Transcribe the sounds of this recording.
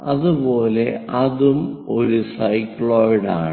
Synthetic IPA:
ɐðubo̞ːleɐðumoɾusɐjkːɭoːjɽa̰ːɳ

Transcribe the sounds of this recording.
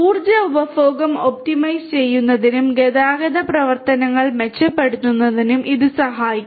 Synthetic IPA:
uːrd͡ʑɐubɐfoːɡɐmo̞p̚ʈimɐjst͡ɕe̞jːunːɐðinumɡeðaːɡɐðɐprɐʋɐrt̪ɐnɐŋːɐɭmet͡ɕːɐpːeɽut̪ːunːɐðinumʔiðɨsɐɦaːjikʲː

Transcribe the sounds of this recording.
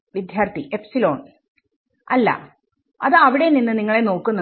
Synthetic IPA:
ʋid̪ʱjaːrt̪iʔepsilo̞ːɳ | ɐlːɐ̰ | ɐðɨɐʋiɽe̞ninːɨniŋːɐɭe̞no̞ːkːunːɐ

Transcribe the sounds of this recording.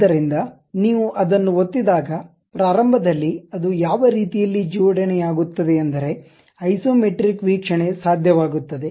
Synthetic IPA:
ɐɾind̪ɐ | niːʋuʔɐd̪ɐnːuot̪ːid̪aːɡɐ | pɾaːɾɐmbʱɐd̪ɐlːiɐd̪ujaːʋɐɾiːt̪ijɐlːid͡ʒiːʋɐɽɐɳejaːɡut̪ːɐd̪eɐnd̪ɐɾe̞ | ɐjsoːmeʈɾikʋiːkʂɐɳe̞saːd̪ʱjɐʋaːɡut̪ːɐd̪e̞

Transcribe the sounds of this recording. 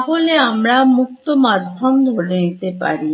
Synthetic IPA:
ɦoleamɾamukt̪omad̪ʱɔmd̪ʱoɽenit̪epa̰ɾi

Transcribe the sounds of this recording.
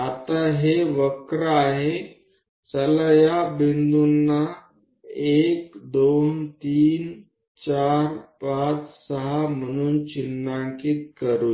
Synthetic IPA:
at̪aɦeʋəkɾaɦe | sələjabind̪unːa | ekd̪ont̪iːn | t͡ɕaɾpat͡ssəɦam̤əɽ̃uːnt͡ɕinːaŋkiːt̪kəɾu

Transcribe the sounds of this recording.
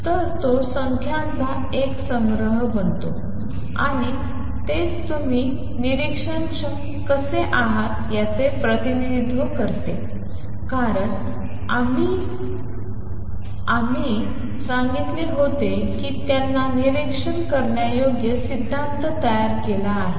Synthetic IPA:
t̪əɾt̪osəŋkʰjãnt͡sa | eksəŋɡɾəɦbənt̪o | a̰ɽ̃i | t̪et͡st̪um̤iː | niɾikʂənt͡ɕə | kəseʔaɦat̪jat͡sepɾət̪iniid̪ʱʋəkəɾt̪e | kaɾəɳ | ami | ami | sãŋɡit̪liɦod̪ʱe | kiːt̪janːaniɾikʂəɳkəɾɳjajoɡjəsid̪ʱːãnt̪t̪əjaɾkelaːɦe

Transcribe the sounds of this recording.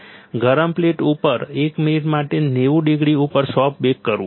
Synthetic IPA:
ɡʱəɾəmpleʈupəɾekminiʈmaʈeneʋũɖiɡɽiupəɾsɔp̚bekːəɾũ

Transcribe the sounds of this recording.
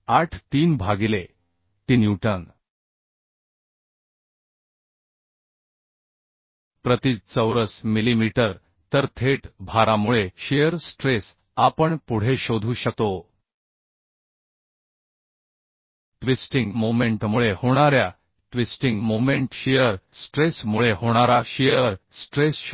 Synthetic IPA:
aʈʰt̪iːnbʱaɡile | t̪injuʈəŋ | pɾət̪it͡səwɾəsmilimiʈəɾ | t̪əɾt̪ʰeʈbʱaɾamuɭeɕejəɾsʈɾes | apəɳpuɽ̤eɕod̪ʱuːɕək̚t̪o | ʈʋisʈiŋɡmomeɳʈmuɭehoɽ̃aɾja | ʈʋisʈiŋɡmomeɳʈɕijəɾsʈɾesmuɭehoɽ̃aɾaɕijəɾsʈɾes

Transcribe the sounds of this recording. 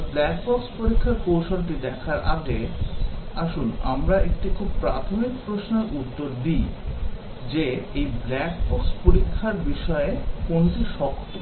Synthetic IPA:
blɛk̚bɔkspoɾikʰːaɾkowʃonʈid̪ɛkʰaɾʔa̰ɡe | aʃuna̰mɾaʔek̚ʈikʰub̚pɾat̪ʰomikpɾosneɾʔut̪ːoɾd̪i | d͡ʑeejblɛk̚bɔkspoɾikʰːaɾbiʃɔekonʈiʃɔkʰːo̥

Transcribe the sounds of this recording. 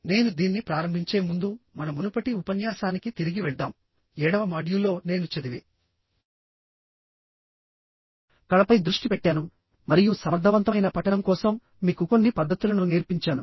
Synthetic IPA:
ne̞ːnud̪iːnːipɾaːɾɐmbʱiɲt͡ʃe̞ːmund̪umɐnɐmunupɐʈiupɐnjaːsaːnikit̪iɾiɡiʋɛɭd̪aːm | ɛːɽɐʋɐmaːɖjulːo̞ːne̞ːnut͡ʃɐd̪iʋi | kɐɭɐpɐjd̪ɾuʂʈipɛʈːaːnu | mɐɾijusɐmɐɾd̪ʱːɐʋɐnt̪ɐjnɐpɐʈɐnɐmkɔːsɐmː | iːkuko̞nːipɐd̪ʱːɐt̪ulɐnuniːɾpiɲt͡ʃaːnu

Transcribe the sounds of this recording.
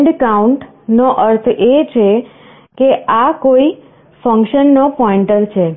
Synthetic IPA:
ɖkauɳʈ | noʔəɾt̪ʰet͡ʃʰe | keʔakoi | fə̃ŋkʃənːopɔɪ̃ɳʈəɾt͡ʃʰe

